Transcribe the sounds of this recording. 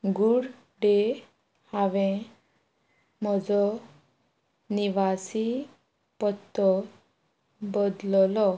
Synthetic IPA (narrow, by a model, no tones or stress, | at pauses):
ɡuɽ | ɖe | haʋɛ̃ | mɔd͡zɔ | niʋasi | pɔt̪ːɔ | bɔd̪lɔlɔ